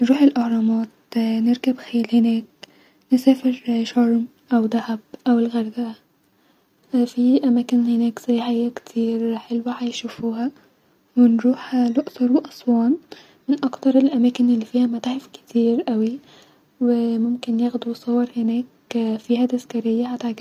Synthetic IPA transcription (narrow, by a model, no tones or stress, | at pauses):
nɾuːħelʔɑhɾˤɑmɑːt̪̚ | neɾkæbxelhenæːk̚ | nesæːfeɾʃɑɾˤm | ʔæwd̪æhæb̚ʔæwelɣæɾbæʔæ | fiʔæmæːkenhenæːksæjħajækt̪ʰiːɾħelwæħæjʃufuːhæ | wenɾuːħloʔsɑɾˤweʔɑsˤwɑːn | mɪnʔɑkt̪ɑɾˤelʔæmæːkenelːifiːhæmæt̪aħefke̥t̪ʰiːɾʔæwi | wemomkenjæɣd̪uwsˤɑwːɑɾˤhenæːk | fiːhæd̪æzkæɾɪjːæħat̪aʕɡ